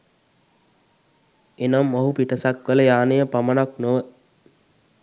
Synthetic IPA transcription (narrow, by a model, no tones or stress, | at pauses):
enamːoɦupiʈəsakʋələjaːnejəpamənaknoʋə